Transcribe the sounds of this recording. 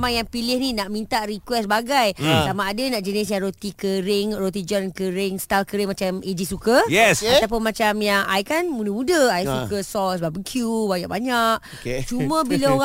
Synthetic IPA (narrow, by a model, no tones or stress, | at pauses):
majaŋpilɪhninaʔmĩnt̪aʔɾikwɛsbaɡajsamaːdanãʔd͡ʒənɪsjaŋɾot̪ikəɾɪŋrot̪̬id͡ʒɔnkəɾɪŋst̪alkəɾɪŋmat͡ʃamed͡ʒisukəjɛsat̪apʊnmãt͡ʃamjaŋajkanmudəmũdəajsukəsɔlsəbapbəŋkʰjubajaʔbaɲaʔ | ket͡ʃumə̃bilaoa